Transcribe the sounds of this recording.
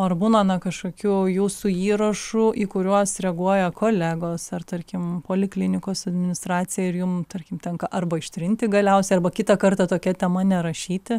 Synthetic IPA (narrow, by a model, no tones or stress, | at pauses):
oːɐrbuːnɐnɐkɐʃkoːkʲuːjuːsuːiːɾɐʃuːʔiːkʊɾʲuɔsɾʲɛɡuɔjɛkoːlʲæːɡoːsɐrt̪ɐrʲkʲɪmpoːlʲɪklʲɪnʲɪkoːsɐd̪ʲmʲɪnʲɪst̪ɾɑːt̪t͡s̪ʲɪjɛɪrjʊmt̪ɐɾʲkʲɪmt̪ʲɛŋkɐʔɐrbɐɪʃʲt̪ʲɾʲɪnʲt̪ʲɪɡɐlʲɛʊsʲɛɪɐrbɐkʲɪt̪ɐkɐrt̪ɐt̪oːkʲɛt̪ʲɛmɐnʲɛɾɐʃʲiːt̪ʲɪ